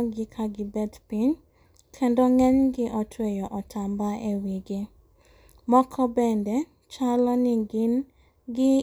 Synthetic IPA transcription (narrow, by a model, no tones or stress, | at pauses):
ɡɪkʰaɡɪbɛdpiɲ | kʰɛndɔŋɛɲɡɪʔɔtʰwejɔʔɔtʰambaewiɡe | mɔkʰɔbɛndɛ | t͡ʃalɔnɪɡɪn | ɡɪ